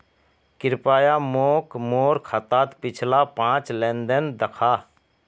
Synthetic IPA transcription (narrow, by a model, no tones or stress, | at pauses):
kɪɾpaːjamoːkmoːɾkʰat̪aːt̪pɪt͡ʃʰlapãːt͡ʃlɛ̃ːnd̪ənd̪əkʰaː